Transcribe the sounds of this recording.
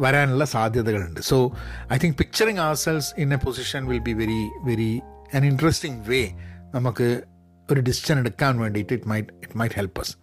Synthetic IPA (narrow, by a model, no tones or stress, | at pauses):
ʋɐɾaːnuɭːɐsaːd̪ʱjɐðɐɣɐɭuɳɖɨsoːɐjt̪ʰĩŋk̚pik̚t͡ɕɐɾĩŋɐʋɐselʋsinepʰosiʂɐ̃nʋɪlbiʋeɾiʋeɾi | ɐniɳɖɐɾesʈiŋʋeːnɐmukːɨ | oɾuɖisiʃɐneɽukːaːnʋeːɳɖiʈːɨiʈmɐjʈɪʈmɐjʈhelpɐs